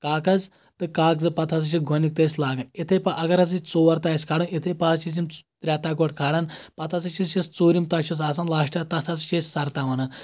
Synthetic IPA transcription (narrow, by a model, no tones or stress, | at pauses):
kaːkɐzʲ | t̪ɨkaːkzɨpɐt̪ʰɐs̬ɨt͡ʃʰiɡʱɔnik̚t̪ɐsʲlaːɡɐnit̪ʰepɐʔɐɡɐɾɐzit͡soːʋɐɾt̪aːɐsʲkʰaːɽɨnit̪ʰepazt͡ʃizimt̪ɾʲaːt̪aːɡoʈkʰaːɽɐnpɐt̪ʰɐsɨt͡ʃʰist͡ʃist͡soːɾimt̪ɐʃʰus̬aːs̬ɐnlaːʃʈɐt̪ɐt̪ʰɐst͡ʃʰesʲsɐɾt̪aːʋɐnɨ